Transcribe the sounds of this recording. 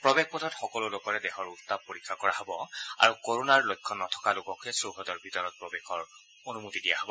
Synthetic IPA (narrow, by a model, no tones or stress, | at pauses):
pɹɔbexpɔtʰɔtxɔkɔlʊlokɔɹɛdɛxɔɹuttab̚poɹikʰːakɔɹaɦɔbɔa̰ɹukoɹunaɹlojkʰːɔnɔtʰɔ̥kalʊkɔkʰɛsɹoɦɔdɔɹbʱitɔɹɔt̚pɹɔbexʰɔɹ | onumutidijaɦɔbɔ